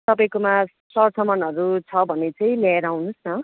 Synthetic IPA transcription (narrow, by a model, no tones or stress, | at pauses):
sʌbʌjkoma | sʌrsʰʌmʌnʌɾut͡sʰʌbʱʌnet͡sʌĩljaeɾaunusnʌ